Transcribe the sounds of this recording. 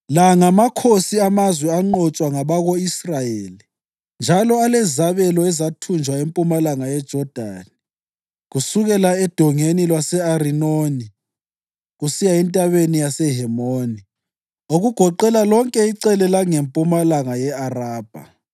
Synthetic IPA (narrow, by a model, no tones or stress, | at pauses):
laŋamakʰosiamazwɛaŋ͡ǃɔt͡ʃʼwaŋaβaɣoisrajeːli | nd͡ʒʱalɔalɛzaβɛlɔɛzatʰund͡ʒʱwaempʼumalaŋajɛd̥ʒ̥ʱɔd̥ʱa̰ːni | ɣusuɣɛlaɛd̥ʱɔŋenilwasɛarinoːni | ɣusijaɛntʼaβenijasɛɦɛmoːni | oɣuɡ̥ʱɔǃɛlalɔŋkʼɛiǀɛlɛlaŋempʼumalaŋajɛaraːb̥ʱa̰